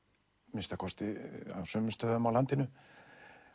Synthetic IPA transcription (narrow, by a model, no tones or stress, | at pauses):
mɪst̪akʰɔst̪ɪa̰sœmʏst̪œðʏmawlant̪ɪnʏ